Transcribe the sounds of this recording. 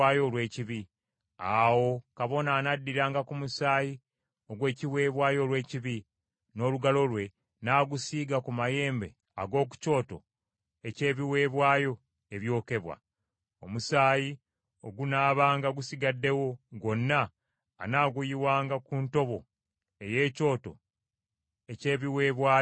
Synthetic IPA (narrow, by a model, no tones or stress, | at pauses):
aːjo̞lwe̞ːciβi | a̰wo̞kaβo̞naːnadːiɾaːŋɡakumusaːji | o̞ɡwe̞ːciwe̞ːβwaːjo̞lwe̞ːciβi | no̞ːluɡalo̞lwe̞ | naːɡusiːɡakumaje̞ːmbe̞̰ | a̰ɡo̞ːk̬u̥co̞ːto̞̰ | e̞ce̞ːβiwe̞ːβwaːjo̞ | eβjo̞ːke̞βwa̰ | o̞̰musaːji | o̞ɡunaːβaːŋɡaɡusiɡadːe̞wo̞ɡo̞nːaː | naːɡujiwaːŋɡakuːnto̞βo̞ | e̞je̞ːco̞ːto̞̰ | ece̞ːβiwe̞βwaː